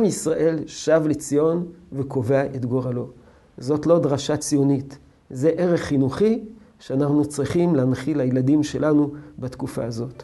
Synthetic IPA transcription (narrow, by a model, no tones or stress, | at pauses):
amisʁaʔe̞lʃavlet͡sijo̞nveko̞veaʔetɡo̞ʁalo̞ | zo̞tlo̞dʁaʃat͡sijo̞nit | ze̞ʔe̞ʁe̞χːinuχiʃeanaχnut͡sʁiχimleanχilhajeladimʃe̞lanubatkufa̰ːzo̞t